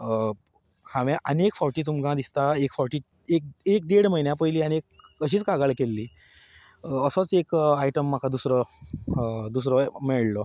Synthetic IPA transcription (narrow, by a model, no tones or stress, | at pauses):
hãʋãʔənekfɔɾʈiːt̪̬umkãd̪ist̪aekfɔɾʈiː | ek̚ek̚d̪eɽməinjapəjliːañiekːəɕiːt͡skaɡaɭkelːiː | əsɔt͡sekajʈəmːakʰad̪usɾɔ | d̪us̬ɾɔmeɭlɔ